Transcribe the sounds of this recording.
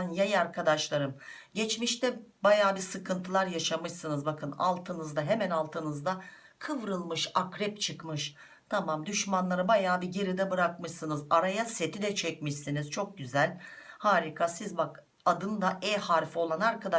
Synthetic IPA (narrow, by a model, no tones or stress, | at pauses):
njajaɾkʰad̪aʃlˠaɾɯm | ɟɛt͡ʃmiʃt̪ʰɛbajaːbisɯkʰɯnt̪ʰɯlˠaɾjaʃamɯʃsɯnɯzbakʰɯna̰lˠt̪ʰɯnɯzd̪aɦemænalˠt̪ʰɯnɯzd̪a | kʰɯvɾɯlˠmɯʃakɾɛpt͡ʃʰɯkmɯʃ | t̪ʰamamd̪yʃmanlˠaɾɯbajaːbiɟe̞ɾid̪ɛbɯɾakmɯʃsɯnɯzaɾajase̞t̪ʰid̪ɛt͡ʃʰɛcmiʃsinizt͡ʃʰo̞k̚ɟyzælʲhaːɾikʰasizbak | ad̪ɯnd̪aʔɛhaɾfo̞lˠanaɾkad̪a